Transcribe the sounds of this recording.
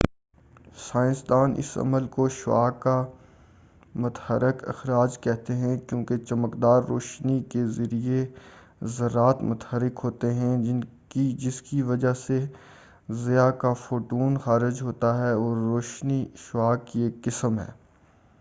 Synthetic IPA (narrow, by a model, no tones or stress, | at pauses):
saːɪ̃sd̪aːnʔɪ̰sɐ̰məlkoʃwa̰ːkːa | mʊt̪həɾɪkɪ̰xɾaːd͡ʒkɛɦt̪eɦɛ̃kjõːket͡ʃɐməkd̪aːɾːoːʃnikezɐɾie | zɐɾːaːt̪mʊt̪həɾɪkɦoːt̪eɦɛ̃ɪ | id͡ʒɪskiʋɐd͡ʒase | zɪjakafoːʈuːnxaːɾɪd͡ʒɦoːt̪aɦɛɔːɾːoːʃniʃwaːkeːkːɪsəmɦɛ̰ː